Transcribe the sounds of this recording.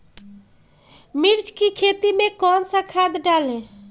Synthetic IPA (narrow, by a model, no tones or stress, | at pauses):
miɾd͡ʒkikʰet̪imekɔnsə̃kʰad̪ɖalẽ